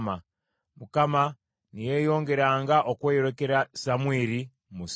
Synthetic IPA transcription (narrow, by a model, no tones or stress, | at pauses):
ma | mukama | nije̞ːjo̞ːŋɡe̞ɾaːŋɡaʔokweːjoɾeke̞ɾasamweːɾi | mus